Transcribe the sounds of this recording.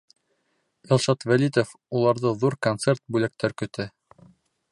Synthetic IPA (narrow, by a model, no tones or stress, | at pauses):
ilˠʃɑt̪vælit̪of | ulˠɑɾðɤðuɾkont̪sert̪̚bʉlæk̚t̪æɾkɵ̆t̪ʰɘ